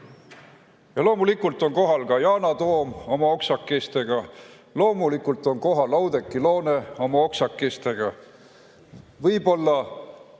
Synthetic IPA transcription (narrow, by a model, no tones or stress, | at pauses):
jɑlo̞ːmulikːult̪ˑo̞nko̞ɦɑlkɑjɑːnɑt̪o̞ːmo̞mɑo̞ksɑkːest̪e̞ɡ̥ɑ | lo̞ːmulikːult̪ːˑo̞nko̞ɦɑlɑwd̪̥e̞kːˑilo̞ːneo̞mɑo̞ksɑkːˑest̪e̞ɡ̥ɑ | vɤjbo̞lːɑ